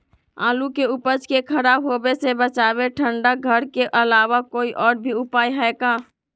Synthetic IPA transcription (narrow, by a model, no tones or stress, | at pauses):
a̰ːlukeupəd͡ʒkekʰəɾaːbɦobesebət͡ʃaːbeʈʰəɳɖaɡʱəɾkeʔəlaːwakoːiʔɔːɾbʱiʊpaːjɦɛɛkaː